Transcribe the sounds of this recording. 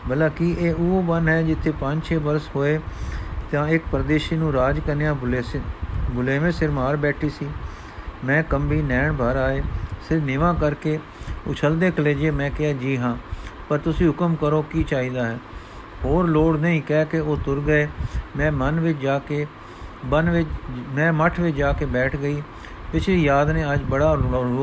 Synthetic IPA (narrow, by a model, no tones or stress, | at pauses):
bəlaːkiʔeːoobənɦɛːd͡ʒɪt̪ʰːeːpə̃d͡ʒt͡ʃʰeːbəɾshoːeːt̪ãːɪkpɾəd̪eːʃiːnũːɾaːd͡ʒkəɾnejãː | bʊleːʋẽːsɪɾmaːɾbɛːʈʰiːsiː | mɛ̃ːkəmbiːnɛːɳbʱaːɾaːeːsɪɾnɪʋãːkəɾkeː | ʊ̰t͡ʃʰəld̪eːkʰəleːd͡ʒeːmɛ̃ːkɪaːd͡ʒiːɦãːpəɾt̪ʊsĩːɦʊkəmkəɾoːkiːt͡ʃaːiːd̪aːɦɛː | ɦoːɾloːɽnəĩːkɛːkeoːt̪ʊɾɡəeːmɛ̃ːmənʋɪt͡ʃd͡ʒaːkeː | bənʋɪt͡ʃmɛ̃ːməʈʰʋɪt͡ʃd͡ʒaːkeːbɛːʈʰɡəiː | ʋɪt͡ʃiːjaːd̪nẽːəd͡ʒbəɽaː